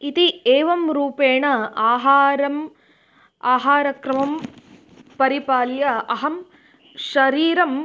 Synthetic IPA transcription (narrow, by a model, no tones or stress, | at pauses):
it̪ieːʋɐmɾuːpeːɳɐaːɦaːɾɐm | aːɦaːɾɐkɾɐmɐm | pɐɾipaːljɐɐɦɐm | ʃɐɾiːɾɐm